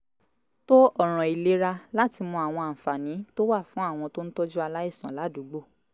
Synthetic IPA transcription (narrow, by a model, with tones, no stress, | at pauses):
to˦ʔɔ˦˨ɾ̃ɔ̃˨i˨le˨˦ɾa˧la˦ti˧mɔ̃˧a˨w̃ɔ̃˧a˨m̩˨fa˨nĩ˨˦to˦wa˦˨fũ˨˦a˦˨w̃ɔ̃˧to˦n̩˦tɔ˦d͡ʒu˦a˧la˦i˦˨sã˨˦la˨˦du˨˦ɡ͡bo˦˨